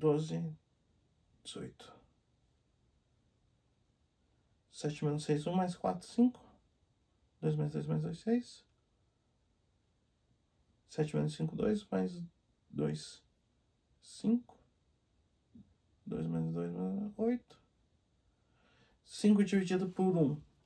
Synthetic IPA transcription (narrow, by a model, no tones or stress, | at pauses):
d̪ozɪ | d͡ʒɪz̥o̰jt̪ʊ̥ | sɛt͡ʃɪmẽnʊsejzũmajskwa̰t̪ɾʊ̥sĩŋkʊ̥ | d̪ojzmajzd̪ojzmajzd̪ojzsejs | sɛt͡ʃɪmḛnʊsĩŋkʊd̪o̰jsmajz | d̪o̰js | ĩŋkʊ̥ | d̪o̰jzmenzd̪ojzmenojt̪ʊ̥ | sĩŋkʊɪt͡ʃivɪt͡ʃid̪ʊpʊɾũ